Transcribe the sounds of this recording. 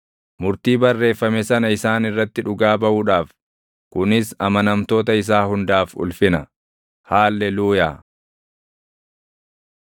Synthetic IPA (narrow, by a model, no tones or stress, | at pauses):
mʊɾt̪iːbɐrːe̞ːfːɐmɛsɐnɐɪsaːnɪrːɐt̪ːɪᶑʊɡaːbɐʔuːᶑaːf | kʊnɪsɐmɐnɐmt̪o̞ːt̪ɐɪs̬aːhʊnd̪aːfʊ̰lfɪnɐ | haːlːɛluːjaː